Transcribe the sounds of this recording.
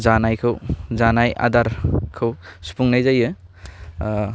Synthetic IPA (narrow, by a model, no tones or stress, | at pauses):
zanajkʰɯwzanaja̰daɾkʰɯwsu̥pʰuŋnajzajɯ